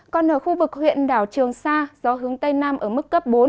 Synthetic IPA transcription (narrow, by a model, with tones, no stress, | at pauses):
kɔ˨˧nʔəː˧˩xu˧vɨ˨˩k̚hwḭ˧˨ənɗaː˧˩wt͡ɕɨ˨˩əŋsaː˧z̥ɔ˨˦ɦɨ˨˦əŋt̪ə˧jnaː˧mʔəː˧˩mɨ˦˥kːə˦˥p̚ɓo˨˦n